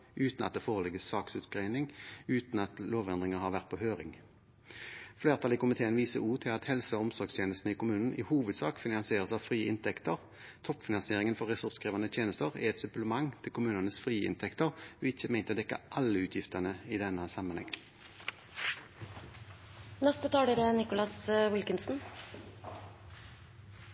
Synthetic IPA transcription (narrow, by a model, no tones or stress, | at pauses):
ʔʉːt̪nɑt̪̚d̪eːfoːʁəlɪɡəssɑːksʉt̪ɡʁeɪnɪŋʉːt̪n̩ɑt̪loːʋɛnd̪ʁɪŋəʁhɑːʁʋæʁt̪pʰoːhøːʁɪ̰ŋ | fleːʁt̪ʰɑliːkʊmɪt̪ʰeːənʋiːsəuːt̪ʰɪlɑt̪hɛlsəɔɔmsɔʁɡst̪ʰjeːnəst̪n̩əiːkʊmʉːnn̩ʔɪ̰ːhuːʋəd̪sɑ̰ːkfɪnɑnsɪeːʁəsɑʋfʁiːʔɪ̰nt̪ʰɛkt̪əʁ | t̪ʰɔpfɪnɑnsɪeːʁɪŋənfɔʁɛsʉʁskʁiːʋɑnət̪ʰjeːnəst̪əʁæ̰ɛt̪sʉpləmɑŋt̪ʰɪlkʰʊmʉːnənəsfʁiːɪ̰nt̪ʰɛkt̪əʁɔɪçəmæɪnt̪əd̪ɛkːə̰ʔɑlːəʉːt̪ʰjɪft̪əʁnəɪd̪ɛnːəsɑmɑnhɛ̰ŋ | nɛst̪ət̪ʰɑːɖed̪ɛnɪkʊlɑsʋɪlkənsn̩